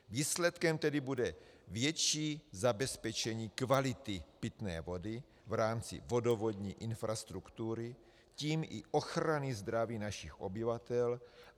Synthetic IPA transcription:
viːslɛt̪kɛmt̪ɛdɪbudɛvjɛt͡ʃiːzabɛspɛt͡ʃɛɲiːkvalɪt̪ɪpɪt̪nɛ̰ːvo̞dɪ | vɾaːmt͡sɪ̰vo̞do̞vo̞d̪ɲiːʔɪnfɾast̪ɾukt̪uɾɪ | ciːmʔɪʔo̞xɾanɪzd̪ɾaviːnaʃɪxʔo̰bɪvat̪ɛl

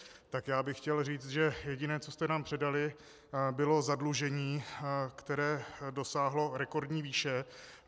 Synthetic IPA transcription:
t̪akjaːbɪxːcɛlriːt͡st̪ʒɛjɛɟɪnɛːt͡sost̪ɛnaːmpr̝̥ɛdalɪ | bɪlozadluʒɛɲiːkt̪ɛɾɛːdo̞saːɦlo̞ɾɛko̞ɾdɲiːviːʃɛ

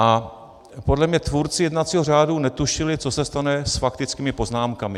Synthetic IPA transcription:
ʔa | po̞dlɛmɲɛt̪vuːɾt͡sɪjɛdnat̪t͡siːɦor̝aːdunɛt̪uʃɪlɪt͡so̞sɛst̪anɛsfakt̪ɪt͡skiːmɪpo̞znaːmkamɪ

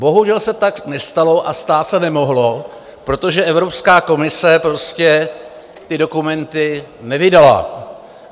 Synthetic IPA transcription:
bo̞ɦuʒɛlsɛt̪aknɛst̪alo̞ʔast̪aːt̪sɛnɛmo̞ɦlo̞ | pɾo̞t̪o̞ʒɛʔɛvɾo̞pskaːko̞mɪsɛpɾo̞scɛ | t̪ɪdo̞kumɛnt̪ɪnɛvɪdala̰

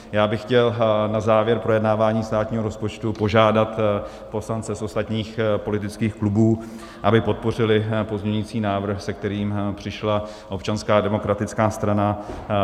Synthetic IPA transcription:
jaːbɪxːcɛlnazaːvjɛɾpɾo̞jɛdnaːvaːɲiːst̪aːt̪ɲiːɦo̞ɾo̞spo̞t͡ʃt̪upo̞ʒaːdat̪ | po̞slant͡sɛsʔo̞st̪at̪ɲiːxpo̞lɪt̪ɪt͡skiːxklubuː | ʔabɪpo̞t̪̚po̞r̝ɪlɪpo̞zɲɛɲiːt͡siːnaːvr̩xsɛk̚t̪ɛɾiːmpr̝̥ɪʃla | ʔo̞pt͡ʃanskaːdɛmo̞kɾat̪ɪt͡skaːst̪ɾana

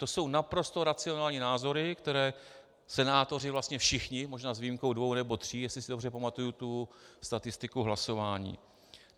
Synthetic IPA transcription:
t̪o̞so̞wnapɾo̞st̪o̞ɾat͡sɪo̞naːlɲiːnaːzo̞ɾɪkt̪ɛɾɛː | sɛnaːt̪o̞rɪvlast̪ɲɛfʃɪxɲɪmoʒnaːzviːimko̞wdvownɛbo̞t̪r̝̥iːjɛslɪsɪdo̞br̝ɛpamat̪ujut̪ust̪at̪ɪst̪ɪkuɦlaso̞vaːɲḭː

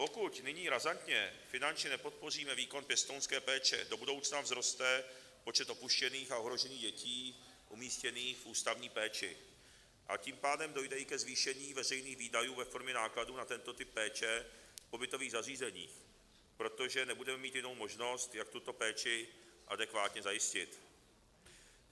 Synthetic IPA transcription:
po̞kucnɪɲiːɾazant̪ɲɛfɪnant͡ʃɲɛnɛpo̞t̪̚po̞r̝iːmɛviːko̞npjɛst̪ownskɛːpɛːt͡ʃɛ̰do̞budo̞wt͡snavzɾo̞st̪ɛ | po̞t͡ʃɛt̪o̞puʃcɛniːxao̞ɦɾo̞ʒɛɲiːɣɟɛcʰiː | ʔumiːscɛniːxfʔuːst̪avɲiːpɛːt͡ʃɪ̰ | ʔa̰ciːmpaːdɛmdo̞jdɛikɛzviːʃɛɲiːvɛrɛjniːɣviːdajuːvɛfo̞ɾmɲɛnaːkladuːnat̪ɛnt̪o̞t̪ɪpːɛːt͡ʃɛpo̞bɪt̪o̞viːɣzariːzɛɲḭːx | pɾo̞t̪o̞ʒɛnɛbudɛmɛmiːt̪jɪno̞wmo̞ʒno̞st̪jak̚t̪ut̪o̞pɛːt͡ʃɪʔadɛkvaːt̪ɲɛzajɪscɪt̪

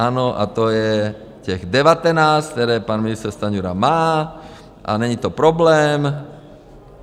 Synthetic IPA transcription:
aːnɔʔa̰t̪ɔjɛ | cɛɣd̪ɛʋat̪ɛnaːsk̚t̪ɛɾɛːpaːnminist̪ɛɾst̪aɲuɾa̰maː | ʔa̰ɲɛɲit̪ɔpɾɔblɛːm

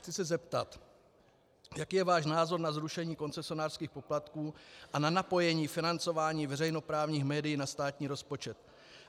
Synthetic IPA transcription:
xt͡sɪsɛzɛpt̪at̪ | jakiːjɛvaːʃnaːzo̞ɾnazɾuʃɛɲiːko̞nt͡sɛsɪo̞naːr̥skiːxpo̞plat̪kuːʔananapo̞jɛɲiːfɪnant͡so̞vaːɲiːvɛrɛjno̞pɾaːvɲiːxmɛːdɪjiːnast̪aːt̪ɲiːɾo̞spo̞t͡ʃɛt̪

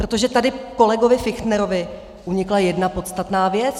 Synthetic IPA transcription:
pɾo̞t̪o̞ʒɛt̪adɪko̞lɛɡo̞vɪfɪxt̪nɛɾo̞vɪ | ʔuɲɪklajɛdnapo̞t̪st̪at̪naːvjɛt͡s

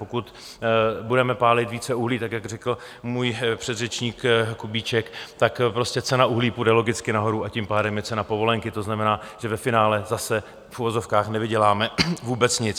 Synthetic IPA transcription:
pokut̪ | budɛmɛpaːlɪt̪viːt͡sɛuɦliːt̪akjaɡr̝ɛkl̩ | muːjpr̝̥ɛd̪rɛt͡ʃɲiːkkubiːt͡ʃɛkt̪akpɾo̞scɛt͡sɛnauɦliːpudɛlo̞ɡɪt͡skɪnaɦo̞ɾuacimpaːdɛmjɛt͡sɛnapo̞vo̞lɛŋkɪt̪o̞znamɛnaːʒ̥ɛvɛfɪnaːlɛzasɛ | fuvo̞zo̞fkaːxnɛvɪɟɛlaːmɛvuːbɛt͡sɲɪt͡s

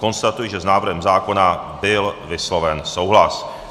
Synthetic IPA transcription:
ko̞nst̪at̪ujɪʒɛznaːvr̩ɦɛmzaːko̞nabɪlvɪslo̞vɛnsowɦlas

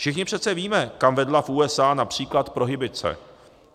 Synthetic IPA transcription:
ʃɪxɲɪpr̥ɛt̪t͡sɛviːmɛkamvɛdlafʔuːɛsaːnapr̝̥iːklat̪pɾo̞ɦɪbɪt͡sɛ̰

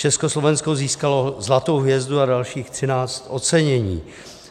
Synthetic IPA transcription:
t͡ʃɛskoslo̞vɛnskoziːskalo̞zlat̪o̞wɦjɛzduadalʃiːxt̪r̥ɪnaːt͡st̪ʔo̞t͡sɛɲɛɲḭː

